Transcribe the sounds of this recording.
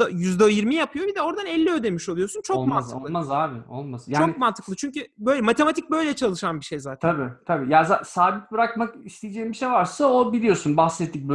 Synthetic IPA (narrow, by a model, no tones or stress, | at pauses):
ajyzd̪øjiɾmijapʰɯjo̞bid̪ɛo̞ɾd̪anɛlʲːiø̞d̪e̞miʃo̞lˠujo̞sunt͡ʃʰo̞kmant̪ʰolˠmazaɾmolˠmasɯjt͡ʃaːonk̚mant̪ʰɯklˠɯt͡ʃʰyɲcybøjlʲɛmat̪ʰe̞mat̪ʰic̚bø̞jlʲɛt͡ʃʰalˠɯʃanbiʃe̞jzaːt̪t̪ʰabit̪ʰabiːjazasaːbit̪̚bɯɾakmakist̪ʲijid͡ʒɛimbiʃejvaɾsaobilʲijo̞sunbaxsɛt̪ʰːic̚b